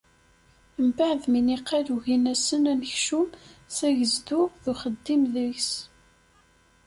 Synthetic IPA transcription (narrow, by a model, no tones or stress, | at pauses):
əmbaʕðminiqːæðuʝinæsənænəçʃumsæʝəzd̪uðuχəd̪ːimðəʝs